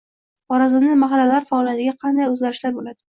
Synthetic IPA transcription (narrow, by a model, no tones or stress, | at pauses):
ɒɾazɪmnɪmaɦalːalaɾfɒːlijat̪ɪɡʲaqʰɑnd̪ajɵzɡʲaɾɪʃlaɾbolad̪̥ɪ